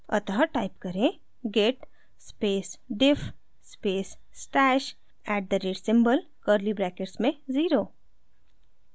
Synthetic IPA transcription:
ɐ̰t̪ɦəʈaːɪpkɐɾẽ | ɡeːʈ | speːsɖɪf | speːsːʈɛːʃ | ɛːʈ̚d̪əɾeːɖsɪ̃mbəl | kəɾlibɾɛːkeʈsmẽziːɾoː

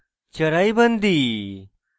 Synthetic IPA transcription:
t͡ʃəɾajbənd̪i

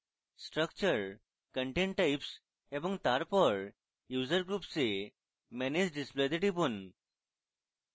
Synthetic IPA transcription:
sʈɾəkt͡ɕəɾ | kəɳʈẽɳʈʈaips | ebəŋt̪aɾpəɾ | jud͡zəɾɡɾupse | mɛned͡ʑɖispled̪eʈipun

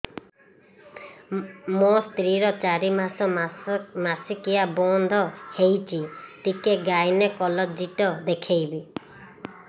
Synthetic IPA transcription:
most̪ɾiɾɔt͡ʃaɾimasɔ | masikijabɔnd̪ʱɔhejt͡ʃʰit̪ikeɡajnekɔlɔd͡ʒiʈɔd̪ekʰejbi

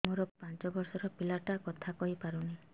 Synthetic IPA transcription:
muɾɔpant͡ʃɔbɔɾsɔɾɔpilaʈakɔt̪ʰakɔɦipaɾuni

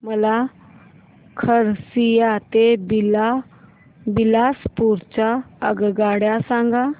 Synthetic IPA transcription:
məla | kʰəɾsijat̪ebla | bilaspuːɾt͡ɕaəɡɡaːɽjasãŋɡa

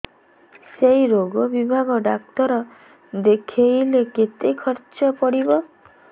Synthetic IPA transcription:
sejɾoɡɔbibʱaɡɔɖak̚t̪ɔɾɔ | d̪ekʰejleket̪ejkʰɔɾt͡ʃɔpɔɽibɔ

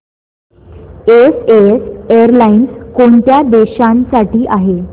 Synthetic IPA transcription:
eseeseəɾlainskoɳt̪jad̪eɕãnsaʈiːʔaɦe

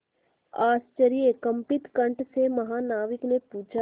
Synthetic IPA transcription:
aːst͡ʃəɾijekɐ̃mpɪt̪kə̃ɳʈsemɐɦaːnaːʋɪknepuːt͡ʃʰa

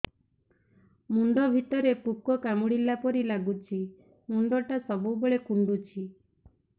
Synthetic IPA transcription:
munɖ̪ɔbʱit̪ɔɾepukɔkamuɽilːapɔɾilaɡut͡ʃʰi | mund̪ɔʈasɔbuboɭekuɳɖut͡ʃʰi

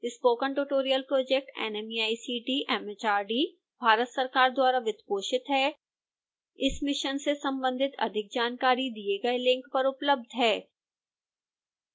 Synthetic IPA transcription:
ɪspoːkə̃ɳʈuʈoːɾijəlpɾoːd͡ʒek̚ʈɛ̰nɛmiaːisiːʈiʔɛːmɛt͡ʃaːɾɖiː | bʱaːɾət̪sɐɾkaːɾd̪waːɾaʋɪt̪poːʃɪt̪ɦɛː | ɪsmɪʃənsesɐ̃mbə̃nd̪ʱɪt̪ɐ̰d̪ʱɪk̚d͡ʒaːnkaːɾid̪ieɡɐelɪ̃ŋkpɐɾʊpləb̚d̪ʱɦɛː

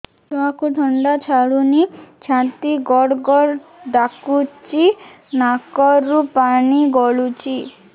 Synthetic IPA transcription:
t̪ɔãkud̪ʱɔɳɖat͡ʃʰaɽunit͡ʃʰãnt̪iɡɔɽɡɔɽd̪akut͡ʃi | nakɔɾupaniɡɔɭut͡ʃi

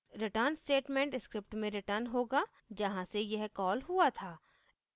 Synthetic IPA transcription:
ɾɪʈəɾnsʈeːʈmẽːɳʈɪskɾɪpʈmẽɾɪʈəɾnɦoːɡa | d͡ʒɐɦãsejɛɦkɔːlɦuat̪ʰaː

